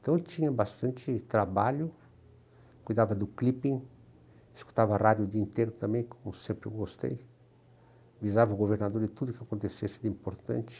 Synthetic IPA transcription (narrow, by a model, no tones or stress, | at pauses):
nt̪ɐ̃w̃t͡ʃ̪ĩɲɐbast̪ɐ̃nt͡ʃ̪ɪt̪ɾabaʎʊ | kujd̪avɐd̪ʊklipĩŋ | esku̥t̪avɐarad̪jud̪iĩnt̪eɾʊt̪ɐ̃mẽj̃komʊsẽmpɾɪewɡost̪ḛj | vizavɐuɡoveɾnad̪oɾd̪ɪt̪ud̪ʊkɪakõnt̪esesɪd̪ɪĩmpoɾt̪ɐ̰̃nt͡ʃɪ̥